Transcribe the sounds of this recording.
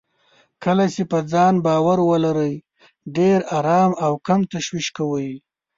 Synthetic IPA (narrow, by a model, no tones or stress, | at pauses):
kəlat͡ʃepəd͡zɑnbɑːwaɾwəlaɾəj | ɖeɾaɾɑːmawkamt̪aʃwiʃkawəj